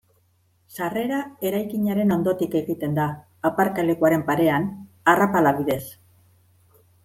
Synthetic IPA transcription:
sare̞ɾae̞ɾajkiɲaɾe̞no̞nd̪o̞t̪ike̞ɣit̪e̞nd̪aː | paɾkale̞kuaɾe̞mpaɾe̞an | arapalaβiðe̞s

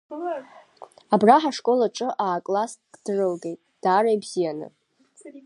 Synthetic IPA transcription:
abraħaʂkʼo̞laʈ͡ʂʼɨʔaːkʼlasɡd̥rɨlɡe̞jtʼd̥aːɾajbz̥ijanɨ̰

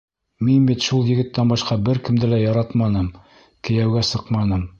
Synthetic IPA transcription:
minbit̪ʃulˠjɘ̆ɡɘ̆t̪ːænbɑʃqɑbɘɾkɘ̆md̪ɘlæjɑɾɑt̪mɑnɤm | kɘ̆jæwɡæsɤqmɑnɤm

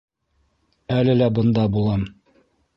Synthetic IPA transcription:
ælɘlæbɤ̆nd̪ɑbulˠɑm

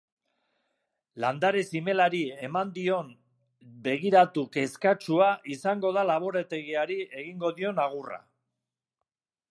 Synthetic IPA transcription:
land̪aɾe̞sime̞laɾie̞mand̪io̞n | be̞ɣ̞iɾat̪uke̞skat͡ʃuaʔisaŋɡo̞ð̞alaβ̞o̞ɾet̪e̞ɣiaɾie̞ɣiŋɡo̞ðio̞naɣ̞ura̰

